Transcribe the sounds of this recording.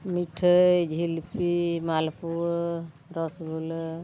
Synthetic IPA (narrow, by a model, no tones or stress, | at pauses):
miʈʰəjd͡ʒʱilpimalpu | ɾɔsbʱulə